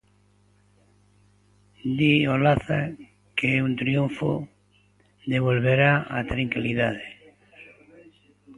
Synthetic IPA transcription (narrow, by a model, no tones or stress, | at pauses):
d̪iolaθa̰ | keunt̪ɾijuɱfo̰ | d̪eβ̞olβeɾaa̰t̪ɾaŋkiliðaðe